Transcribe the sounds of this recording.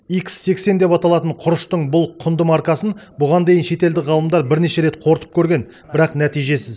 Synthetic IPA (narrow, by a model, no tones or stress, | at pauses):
iksːe̞kse̞nd̪e̞pɑt̪ɑlˠɑt̪əɴqʰʊɾəʃt̪əɴbʊlˠqʰʊnd̪əmɑɾkɑsənbʊʁɑnd̪e̞jɪnʃe̞t̪e̞ld̪ɪʁɑlˠəmd̪ɑɾbɪɾne̞ʃe̞ɾe̞t̪̚qʰo̞ɾt̪ə̥p̚kʲʰɵɾɡʲe̞n | bɪɾɑqnæt̪ijʒe̞sɪz